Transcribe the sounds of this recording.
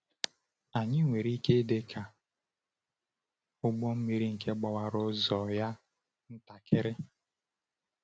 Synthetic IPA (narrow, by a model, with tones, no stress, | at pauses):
a˨ɲɪ˦ŋʷe˨ɾi˦ke˦de˦kʰa˨ | ʊ˦ɡ͡bɔ˦m̩˦mi˦ɾi˦ŋ̩˨ke˦ɡ͡bɔ˨wa˨ɾʊ˦zɔ˨ja˦ | n̩˦ta˨kʰɪ˦ɾɪ˦